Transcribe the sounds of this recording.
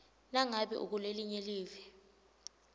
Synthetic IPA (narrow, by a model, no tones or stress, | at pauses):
naŋaɓɛ̰ʔṵk̬uleliɲeliːvɛ